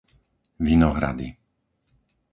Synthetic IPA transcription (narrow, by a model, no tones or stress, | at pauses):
ʋinɔɦɾa̰d̪i